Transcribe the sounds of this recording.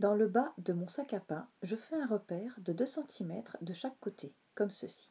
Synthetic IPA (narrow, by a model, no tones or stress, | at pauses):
d̪ɑ̃ləbad̪əmɔ̃sakapaʒəfɛɛ̃ʁəpɛːʁd̪əd̪øsɑ̃t̪ʰimɛt̪χd̪əʃakːot̪ʰe | kɔmsəsi̥